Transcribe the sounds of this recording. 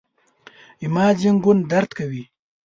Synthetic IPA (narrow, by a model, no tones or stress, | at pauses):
imɑːd͡ʒaŋɡʊnd̪aɾt̪kawi